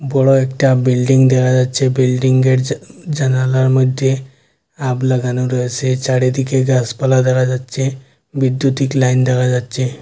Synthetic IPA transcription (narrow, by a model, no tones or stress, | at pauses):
bɔɽɔekʈabilɖiŋɡd̪ɛɡad͡zat̪t͡ɕebilɖiŋɡɡeʈd͡ʑənalaɾməd̪ʱje | abləɡanuɾəəset͡saɽed̪ikʰeɡaspəlad̪ʱɛɡad͡zat̪t͡ɕẽ | ʋid̪jut̪iklaind̪ɛɡad͡zat̪t͡ɕe